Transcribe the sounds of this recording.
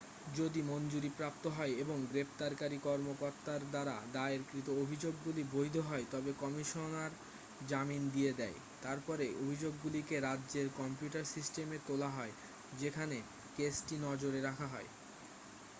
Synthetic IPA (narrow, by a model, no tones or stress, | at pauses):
d͡ʑod̪imond͡ʑuɾipɾapt̪oɦɔeeboŋɡɾept̪aɾkaɾikɔɾmokoɾt̪aɾd̪aɾa̰d̪aeɾkɾit̪oobʱid͡ʑoɡːulibojd̪ʱoɦɔet̪ɔbekɔmiʃonaɾ | d͡ʑamind̪ied̪ɛe | t̪aɾpɔɾeʔobʱid͡ʑoɡːulikeɾadːʑeɾkɔmpjuʈaɾsisʈemet̪olaɦɔe | d͡ʑekʰane | kesʈinɔd͡ʑoɾeɾakʰaɦɔe